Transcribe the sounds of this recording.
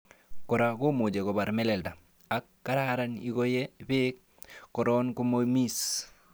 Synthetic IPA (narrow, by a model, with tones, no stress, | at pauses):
kɔ˨ɾa˨ko˦mu˨d͡ʒe˨ko˨ba˨ɾmɛ˦le˨lda˨ | a˦kːa˦ɾaɾani˦ɡo˦je˦bik̚ː | ɔ˨ɾɔ˦nku˦momi˦s